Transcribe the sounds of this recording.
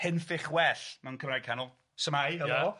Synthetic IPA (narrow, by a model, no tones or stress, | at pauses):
hɪnfɪχwɛɬmankʰəmɾaj̚kʰanɔlˠ | səmajə